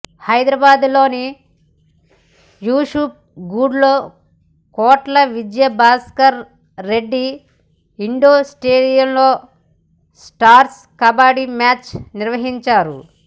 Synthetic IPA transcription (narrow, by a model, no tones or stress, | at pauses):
hɐjd̪ɾɐbaːd̪lo̞ːni | juːʂuːp̚ɡuːɖlo̞ː | kɔːʈlɐʋid͡ʒjɐbaːskɐɾː | eɖːi | iɳɖoːsʈeːɖijɐmlo̞ː | sʈaːɾs | kɐbaːɽimaːt͡ʃniɾʋɐɦiɲt͡ʃaːɾṵ